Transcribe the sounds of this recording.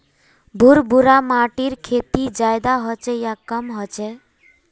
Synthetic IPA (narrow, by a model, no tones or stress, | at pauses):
bʱuɾbuɾamaʈiɾkʰet̪id͡ʒajd̪aɦɔt͡ʃɛjakːɔmɦɔt͡ʃɛ